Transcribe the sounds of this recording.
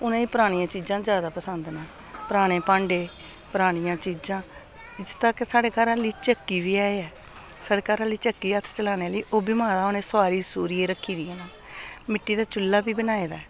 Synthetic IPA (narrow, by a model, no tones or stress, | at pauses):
ʊnẽːiːpəɾaːɽ̃ɪjãːt͡ʃiːd͡ʒãːd͡ʒjaːd̪aːpəsənd̪naː | pəɾaːɽ̃ẽːpãːɳɖeː | pəɾaːɽ̃ɪjãːt͡ʃiːd͡ʒãː | t̪aːkesaːɽeːkaːɾaːliːt͡ʃəkːiːbiːaːeɛː | saːɽeːkaːɾaːlːiːt͡ʃəkːiːət̪ʰt͡ʃəlaːneːliːʔoːbiːmãːd̪aːʊnẽːsaːɾiːsuːɾiːeːɾəkʰːiːd̪iẽːnaː | mɪʈːiːd̪aːt͡ʃʊlːaːbiːbənaːeːd̪aːɛ